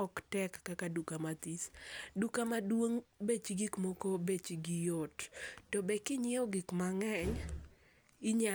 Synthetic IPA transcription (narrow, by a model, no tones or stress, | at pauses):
ɔktɛkːakadukamat̪isdukamadwoŋbet͡ʃiɡikmokobet͡ʃiɡijottɔbɛkɪɲɪɔɡɪkmaŋɛɲ | ɪɲa